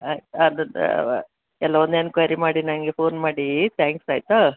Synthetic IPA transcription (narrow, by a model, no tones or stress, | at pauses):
aːjt̪ɐd̪ɐ̰ | ɛlːɐond̪enkʋɐjɾimaːɽinɐnɡepʰoːnmaːɽit̪ʰaːŋksaːjt̪u